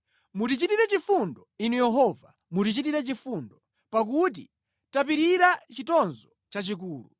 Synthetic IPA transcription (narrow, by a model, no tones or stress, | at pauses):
mutit͡ʃitiɾɛt͡ʃifundɔinujɛɦɔva | mutit͡ʃitiɾɛt͡ʃifundɔ | pak̬ut̬ḭ | tap̬iɾiɾat͡ʃitɔnzɔ | t͡ʃat͡ʃik̬uːlṵ